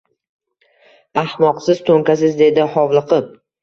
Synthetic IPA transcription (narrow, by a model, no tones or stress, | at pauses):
ahmɒqsɪz̥t̪ʰoŋkʲas̬ɪzd̪e̞d̪ɪhɒwlˠɨqʰɨp̚